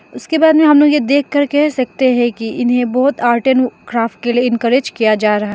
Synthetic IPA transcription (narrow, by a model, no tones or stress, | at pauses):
ʊskebaːd̪mẽɦɐmloːɡjed̪eːkʰːɐɾkɛɦsɐk̚t̪eɦɛ̃kiʔɪnɦẽbɔːʊt̪aːɾʈənkɾaːfʈ̚kelieɪnkəɾeːd͡ʒkijad͡ʒaːɾɐɦaɦɛ